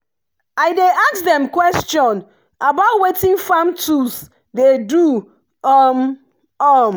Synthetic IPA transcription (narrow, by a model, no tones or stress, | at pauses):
ajdeʔaksdɛ̃mkwɛstɔ̃n | abaʊtwetĩnfamtʰus | dedu | ɔm | ɔm